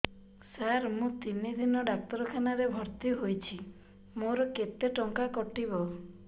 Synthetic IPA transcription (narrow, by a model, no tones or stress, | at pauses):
saɾmũt̪inid̪inɔɖak̚t̪ɔɾɔkʰanaɾebʱɔɾt̪iɦojt͡ʃʰi | moɾɔket̪eʈɔŋkakɔʈibɔ